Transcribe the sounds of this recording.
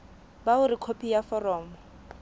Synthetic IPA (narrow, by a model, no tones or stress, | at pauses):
baʊɾikʰopʰijafɔrɔːmɔ